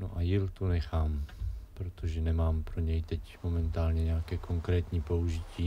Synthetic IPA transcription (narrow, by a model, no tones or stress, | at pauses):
no̰ʔajɪlt̪unɛxaːmpɾot̪oʒɛnɛmaːmpɾoɲɛjt̪ɛcmo̞mɛnt̪aːlɲɛɲɛakɛːko̞ŋkɾɛːt̪ɲiːpo̞uʒɪciː